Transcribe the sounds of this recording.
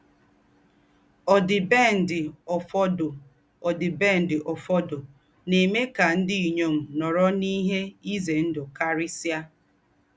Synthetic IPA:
ɔ˨dɪ˨be˦˨n̩˨dɪ˨ɔ˨fɔ˦d | ɔ˨dɪ˨be˦˨n̩˨dɪ˨ʔɔ˨fɔ˦do˨ | ne˨me˦ka˨n̩˦dɪ˦i˨ɲo˦m̩˨nɔ˨ɾɔ˦ni˦ɦe˦i˦ze˨n̩˦dʊ˨ka˦ɾɪ˦si˦a˦

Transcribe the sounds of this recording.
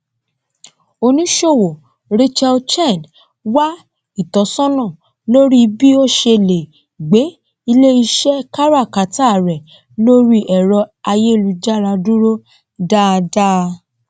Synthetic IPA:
o˧nĩ˦ʃo˦˨wo˨ | ɾe˦t͡ʃɛ˧lt͡ʃɛ̃˦˨d | wa˦ | i˦˨tɔ˨˦sɔ̃˦nɔ̃˦˨ | lo˦ɾi˦˧bi˦o˦ʃe˧le˨ | ɡ͡be˨˦ | i˧le˦i˧ʃɛ˦ka˦ɾa˦˨ka˨˦ta˦˨ɾɛ˨ | lo˦ɾi˦ʔɛ˨ɾɔ˧a˧je˦˨lu˧d͡ʒa˦ɾa˧du˦ɾo˦ | da˦˨˧da˦˧

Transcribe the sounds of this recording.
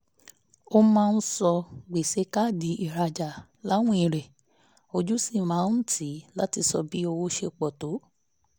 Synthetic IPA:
o˧mãː˦˧˦sɔ˧ɡ͡be˨se˨˦ka˦˨di˨˦i˨ɾa˧d͡ʒa˨ | la˨˦w̃ũ˦ĩ˨ɾɛ˨ | o˧d͡ʒu˦si˦˨mãː˨˦ñ̩˦tʰi˨˦la˦ti˧sɔ̰˧bi˦o˧wo˧ʃe˧k͡pɔ˨to˨˦

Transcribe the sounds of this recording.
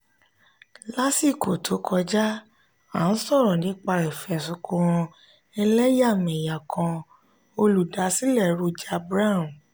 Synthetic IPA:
la˦si˦˨ko˨tʰo˨˦kʰɔ˧d͡ʒa˦ | ã˨n̩˦sɔ˦˨ɾɔ̃˨nĩ˨˦k͡pa˧ɾɛ˨fɛ˨sũ˧kũ˧ɾɔ̃˧ | ɛ˧lɛ˦ja˦˨mɛ̃˨ja˨kʰã˧ | o˧lu˨da˨˦si˦lɛ˦˨ɾu˧d͡ʒa˧bɾa˦˨m˨

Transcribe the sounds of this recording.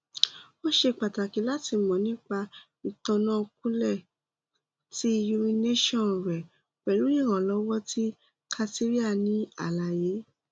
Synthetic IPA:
o˦ʃe˧˨k͡pa˨ta˨ki˨˦la˦ti˧mɔ̃˨nĩ˦k͡pa˧ | i˧tɔ̃˧nã˦o˧k̚ũ˦lɛ˦˨ | ti˦˧ju˧mĩ˧ne˦ʃɔ̃˦˨n˨ɾɛ˨ | k͡pɛ˨lu˨˦nĩ˦˨ɾ̃ã˨lɔ˨˦wɔ˦ti˦ | kʰa˧ti˦ɾi˦a˦˨nĩ˨˦a̰˦˨la˨je˨˦

